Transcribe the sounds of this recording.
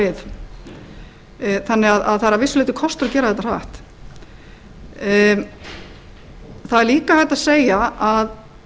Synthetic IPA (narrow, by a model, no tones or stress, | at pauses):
ɪð | θanːɪɣaðaðθaɾavɪsʏlɪːt̪ɪkʰɔst̪ɾacɛːɾaθɛt̪ːaɾa̰ht̪ | θaðɛɾliːkaθɛht̪ːaðseːjaað